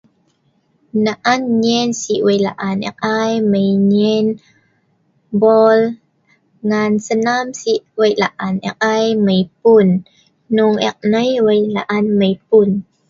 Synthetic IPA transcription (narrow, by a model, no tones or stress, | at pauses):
naʔanɲɛnsiʔwəjlaʔanʔɛ̰k̚ʔajməjɲɛn | bɔl | ŋansənamsiʔwəjlaʔanʔɛ̰k̚ʔajməjpunː | uŋʔɛ̰k̚nəjwəjlaʔanməjpun